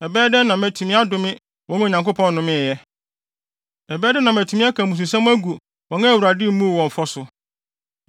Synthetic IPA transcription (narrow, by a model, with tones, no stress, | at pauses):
ɛ˨bɛː˦dɛ˦nã˨mæ˨tʰu˨mĩɪ̃˦a˦dʊ˨mɪ̃˦ | wɔ̃˦nũ˦˨ɲã˨ŋko˦pʰɔ̃˦nː˦ʊ̃˦mɪ̃˦˨jɛ˦ | ɛ˨bɛː˦dɛ˦nã˨mæ˨tʰu˨mĩ˦a˦kʰã˨mũ˨s̬u˨s̬ã˦m˦æ˦ɡu˨ | wɔ̃˨ŋã˦˨wu˨ɾa˨dɪ˦m̩˦mũ˦˨wɔ̃˨m˨fɔ˦sʊ˨